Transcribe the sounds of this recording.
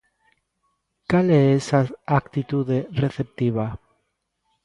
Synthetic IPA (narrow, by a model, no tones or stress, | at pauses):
kaleesaakt̪it̪uðereθep̚t̪iβa